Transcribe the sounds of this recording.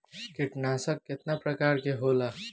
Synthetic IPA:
kiʈnasəkːet̪napɾəkaɾkeɦola

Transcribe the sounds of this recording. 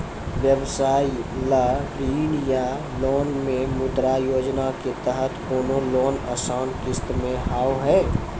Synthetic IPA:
ʋjəʋsaːilaɾiːnja | loːnmẽmʊd̪ɾajoːd͡ʒnaket̪əɦət̪oːnoloːnə̰saʊnkɪst̪mẽɦaːwɦɛː

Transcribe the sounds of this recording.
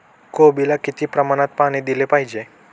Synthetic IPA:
kobilakit̪ʰipɾəmanat̪̚paɽ̃id̪ilepajd͡ʒe

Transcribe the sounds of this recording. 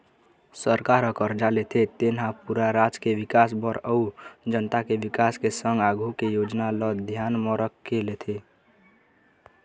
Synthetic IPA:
səɾkaɾəkəɾd͡ʒalet̪ʰet̪enɦãpuɾaɾad͡ʒkeʋɪkasbəɾəud͡ʒənt̪akeʋikaskesə̃ŋɡaɡʱukejod͡ʒnalɔd̪ʱjanmɔ̃ɾəkʰkːelet̪ʰe

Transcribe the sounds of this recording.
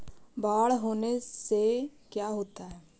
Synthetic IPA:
baːɽɦoːnesekjaːɦoːt̪aɦɛː

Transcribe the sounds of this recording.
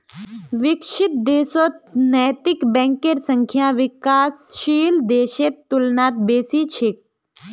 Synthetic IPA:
ʋɪkʃɪt̪̚d̪eːsot̪̚nɛːt̪ɪkbɛ̃ːŋkeɾsɐ̃ŋkʰjãːʋɪkaːsʃiːld̪eːʃet̪ːʊlnaːt̪̚beːsiːt͡ʃʰɪk̚

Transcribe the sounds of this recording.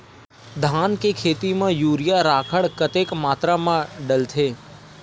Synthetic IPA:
d̪ʱankekʰeːt̪imãjuːɾijaɾaːkʰəɽkət̪ekmaːt̪ɾamãɖəlt̪ʰeː

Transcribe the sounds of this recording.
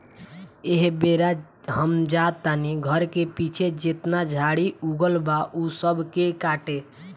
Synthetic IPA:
eɦbeɾa | ɦəmd͡ʒat̪ːaniɡʱəɾkepit͡ʃʰed͡ʒet̪nad͡ʒʱaɽiuɡəlbaʔusəbʱkekaʈe

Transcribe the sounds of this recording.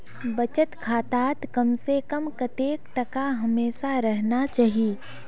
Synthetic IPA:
bɐt͡ʃət̪kʰaːt̪aːt̪kɐmsekɐmkɐt̪eːkʈɐkaɦɐmeːsaɾɐɦnat͡ʃaːɦieː

